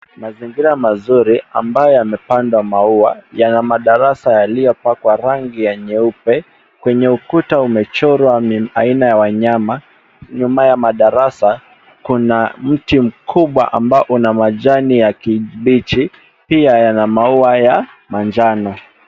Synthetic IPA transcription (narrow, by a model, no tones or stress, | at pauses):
maziŋɡiɾamazuɾia̰mbajɔjamɛpandwamauajanamaɗaɾasajalijɔpakwaɾaŋɡijaɲɛupɛ | kwɛɲɛukutaumɛt͡ʃɔɾwaainajawaɲama | ɲumajamaɗaɾasa | kunam̩tim̩kʰuɓwa̰ʔa̰mbaɔʔunamaʄanijakiɓit͡ʃi | piajanamauaja | mand͡ʒanɔ